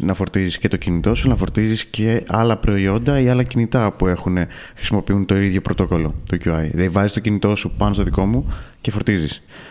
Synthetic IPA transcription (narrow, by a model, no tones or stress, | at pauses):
nɐfo̞ɾt̪izisce̞t̪ocinit̪o̞sunɐfo̞ɾt̪izisce̞ɐlɐpɾo̞io̞nd̪ɐiɐlɐcinit̪ɐpue̞xune̞ | xɾi̥simo̞piunt̪o̞iðʝo̞pɾo̞t̪o̞ko̞lo̞t̪ucuɐjðevɐzist̪o̞cinit̪o̞supɐno̞st̪o̞ðiko̞muce̞fo̞ɾt̪izis